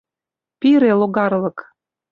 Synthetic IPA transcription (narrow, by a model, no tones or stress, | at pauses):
piɾeloɣɑrlɤ̆k